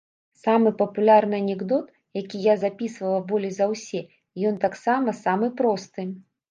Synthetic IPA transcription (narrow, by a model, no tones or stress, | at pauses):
samɨpɐpulʲarnɨɐnʲɛɡd̪ɔt̪ | jakʲijazapʲisvɐlˠɐbɔlʲizɐwsʲɛ | jɔnt̪aksamɐsamɨpɾɔst̪ɨ